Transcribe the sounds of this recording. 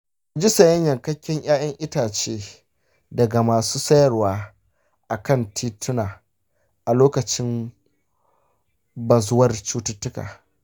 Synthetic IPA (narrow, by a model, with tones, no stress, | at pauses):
kd͡ʒi˦sɐ˨jɐ˦ɲjɐ˨ŋkɐ˦kʲːɪ˦ɲj̰aː˦jɐ˦ŋʔɪ˦taː˨t͡ʃeː˦ | dɐ˨ɡa˨maː˨suː˦sɐ˦jɐ˨rwaː˦ | ʔa˨kɐ˦˨ntʰiː˦tʊ˦naː˨ | ʔa˨loː˦kɐ˨t͡ʃɪ˦m | bɐ˨zʊ˦wɐ˦rt͡ʃuː˦tʊ˦tːʊ˦ka̰ː˨